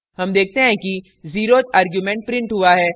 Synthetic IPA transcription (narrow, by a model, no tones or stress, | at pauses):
ɦɐmd̪eːk̚ʰt̪eɦɛ̃ki | ziːɾot̪aːɾɡjumɛ̃ɳʈ̚pɾɪ̃ɳʈɦuaɦɛː